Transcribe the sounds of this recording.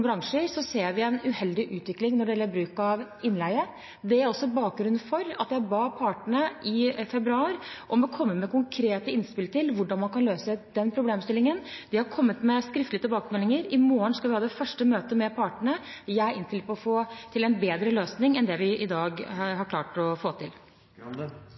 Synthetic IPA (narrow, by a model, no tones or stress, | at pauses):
bɾɑŋʂəɾsɔseːɾʋɪɛɪnʉhɛld̪ɪʔʉːt̪ʋɪklɪŋnɔɖɛɛlæbɾʉːkɑʋ | ɪnlæɪə | d̪ɛæɾɔsːɔbɑːk̚ɡɾʉnfɔɾɑt̪jæɪbɑːpʰɑːʈəɳəʔɪfɛbɾʉɑːɾʔɔmɔkʰɔmːəmɛkʊŋkʰɾeːt̪əɪnspɪlt̪ʰɪlʋʊɖɑnmɑnkʰɑnløːsəd̪̥ɛnpʰɾʊbleːmst̪ɪlːɪŋənd̪̥ɪhɑɾkʰɔmːət̪mɛskɾɪft̪lɪət̪ɪbɑːkəmɛlːɪŋəɾɪmoːəɳskɑʋɪhɑːd̪ɛfœʂʈəmøːt̪əmɛpʰɑːʈəɳə | jæʔɪnt̪ʰɪlpʰɔɔfoːt̪ʰɪlɛnbeːd̪ɾəløːsnɪŋɛnd̪ɛʋɪʔɪd̪ɑːɡɦɑɾkʰlɑ̰ːʈɔfoːt̪ʰɪl